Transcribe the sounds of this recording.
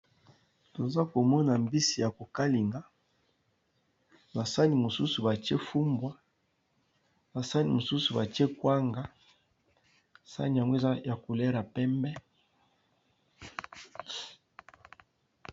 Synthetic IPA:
to˨za˦ko˨mɔ˦na˨mbi˦si˨ja˨ko˨ka˦li˨ŋɡa˦ | na˨sa˦ni˨mo˨su˦su˨ba˨te˦fu˦mbwa˨ | na˨sa˦ni˨mo˨su˦su˨ba˨ti˦e˦kwa˦ŋɡa˨ | sa̰˦ni˨a˨ŋɡwe˦za˦ja˨ko˨lɛ˦ɾa˨pɛ˦mbɛ˦

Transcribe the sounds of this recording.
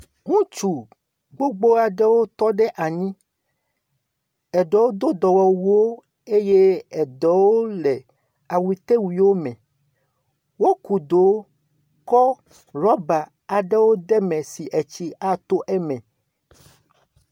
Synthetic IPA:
ŋũ˦t͡ʃu˨ | ɡ͡bo˦ɡ͡bo˦a˨ɖɛ˦wo˦t̪ɔ˦ɖɛ˦ʔa˨ɲĩ˦ | ɛ˨ɖe˨wo˦d̪o˦d̪ɔ˨wɔ˨wu˨wo˦ | e˦je˦ɛ˨dɛ˨wo˦le˨ | a˨wi˨t̪e˦wi˨wo˦mɛ̃˨ | wo˦ku˨d̪o˨˦ | kɔ˦ | ɾɔ˦ba˨ | a˨ɖɛ˦wo˦d̪ɛ˦mɛ̃˨si˨ʔɛ˨t͡ɕi˦a˦t̪o˦ʔɛ˦mɛ̃˨

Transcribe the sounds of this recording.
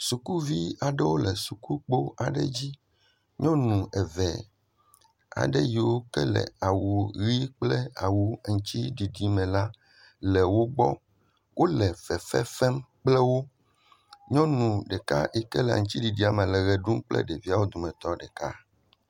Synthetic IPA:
su˨ku˦vi˦a˨ɖɛ˦wo˦lɛ˨su˨ku˦k͡po˦a˨ɖɛ˦d͡ʑi˦ | ɲɔ̃˦nũ˨ɛ˨vɛ˨ | a̰˨ɖɛ˦ji˨wo˦kɛ˦lɛ̰˨a˨wu˨ɣi˦k͡plɛ˦a˨wu˨ŋ̩˨t͡ɕi˦ɖi˨ɖi˨mɛ̃˨la˦ | lɛ˨wo˦ɡ͡bɔ̰˦ | wʔo˦lɛ˨fɛ˨fɛ˦fɛ˦mk͡plɛ˦wo˦ | ɲɔ̃˦nũ˨ɖɛ˨ka̰˦ʔɛ˨kɛ˦lɛ˨a̰˨ŋ̩ũ˨t͡ɕi˦ɖi˨ɖi˦a˨mẽ˨lɛ˨ɣɛ˨ɖu˦mk͡plɛ̰˦ɖe˨vi˦a˦wo˦d̪o˨mɛ̃˨t̪ɔ˦ɖɛ˨ka̰˦

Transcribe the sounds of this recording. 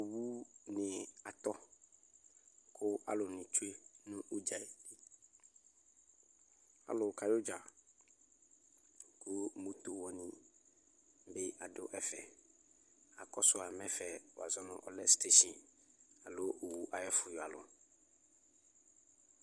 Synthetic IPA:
o˨wu˦nɪ̃˨a˨t̪ɔ˦ | kʰʊ˦a̰˨lʊ˨nɪ̃˨t͡ʃu˦e˦nũ˦ʔu˦d͡ʒa˨e˨dɪ˦ | a̰˨lʊ˨kʰa˨jʊ˦d͡ʒa˨ | kʊ˦mũ˦t̪o˨wɔ˦nĩ˦ | bɪ˦a˨dʊ̰˦ʔɛ˨fɛ̰˨ | a˨kɔ˦sʊ˦a˨mɛ̃˦fɛ˨w̰a̰˨zɔ˦nʊ̰̃˨ʔɔ̰˨lɛ˦ste˦ʃĩ˨n | a˨lʊ˦ʔo˨wu˦ʔa˨jɛ˦fʊ˨ja˨lʊ̰˨

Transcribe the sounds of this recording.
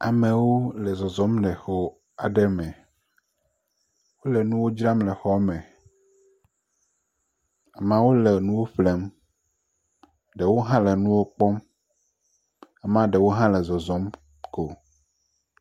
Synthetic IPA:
a˨mẽ˨wo˦lɛ˨zɔ˨zɔ̃˨˦mɖɛ˨xo˦ | a˨ɖɛ˦mɛ̃˨ | wo˦lɛ˨nũ˦wo˦d͡ʒɾa˦mlɛ˨xɔ˦mɛ̃˨ | a˨mã˦wo˦le˨nũ˦wo˦ɸle˦m | ɖɛ˨wo˦ɦã˦lɛ˨nũ˦wo˦k͡pɔ˦m | a˨mã˦ɖɛ˨wo˦ɦã˦lɛ˨zɔ˨zɔ˨˦m | ko˨

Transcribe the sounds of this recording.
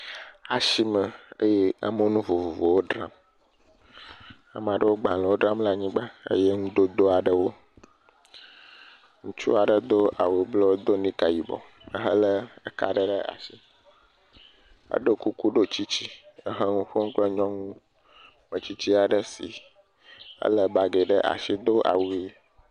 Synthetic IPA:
a˨ʃi˨mə˨ḛ˦je˦a̰˨mə˦nũ˦vo˨vo˨vo˨wo˦ɖɾã̰˦m | a̰˨m˦˨a˨ɖə˦wo˦ɡ͡bã˨lə˨wo˦ɖɾã˦mla˨ɲĩ˦ɡ͡ba˦ə̰˦je˦ŋũ˦d̪o˦d̪o˦a˨ɖə˦wo˦ | ŋũ˦t͡ʃu˦a˨ɖə˨d̪o˦ʔa˨we˨blɔ˦wo˦d̪o˦nĩ˦ka˨ji˨bɔ̰˨ | mə̰˨ɦə˦lə˦ə˦ka̰˨ɖə˦ɖə˦a̰˨ʃi˦ | ə̰˦ɖo˦ku˦ku˦ɖo˦t͡ɕi˦t͡ɕi˦ə˦ɦə˦ŋũ˦ɸo˦ŋ̩˦k͡plɛ˦ɲɔ̃˦ŋũ˦ | mə˨t͡ɕi˦t͡ɕi˦a˨ɖə˦si˨ | ə̰˦lə˦ba˨ɡe˨ɖə˦ʔa̰˨ʃi˦d̪o˦ʔa̰˨wu˨e˦˨˦

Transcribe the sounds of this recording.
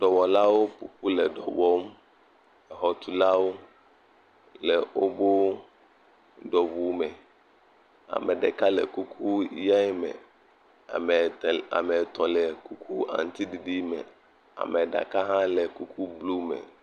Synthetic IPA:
ɖɔ˨wɔ˨la˦wo˦pṵ˨ɸu˦lɛ˨ɖɔ̰˨wɔ˦m | ɛ˨ɦɔ˨t̪u˨la˦wo˦ | lɛ˨wo˦bo˦ | ɖɔ˨vu˨mɛ˨ | a̰˨me˨ɖe˨ka˦lḛ˨ku˦kʰu˦ja˦ɛ˦mɛ̰̃˨ | a̰˨me˨t̪ɔ̃˨lɛ˨ku˦kʰu˦ã̰˨n˨˦t̪i˦di˨ɖi˦mɛ̰̃˨ | a̰˨mɛ˨ɖa̰˨ka˦ɦã˦lɛ˨ku˦kʰu˦blu˦mɛ̰̃˨

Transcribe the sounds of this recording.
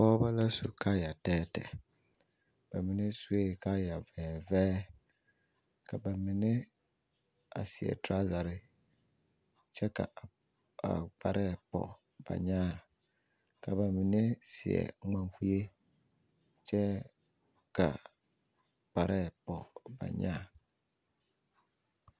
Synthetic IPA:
pɔ˦ba˦la˦su˨kʰa˦ja˨tɛː˦tɛ̰˨ | b̥a˨mi˨ne˦su˨˦e˦˨ka˦ja˨vɛː˨vɛː˦ | ka˨ba˨mi˨ne˦ | a̰˨sɪ˨ɛ̰˨tɾa˦za˨ɾɪ˦ | t͡ʃɛ˦ka̰˨ | a̰˨k͡pa˨ɾʔɛ˦pɔ̰˨ | b̥a̰˨ɲãː˦˨ɾ | kʰa˨ba˨mĩ˨nɪ̃˦sɪ˨ɛ̰˨ŋ̩˦ɡ͡bã˨m˦fu˦je˦ | t͡ʃʰɛ˦ | kʰa˨ | k͡pa˨ɾʔɛ˦pɔ˨ba̰˨ɲã̰ː˦˨

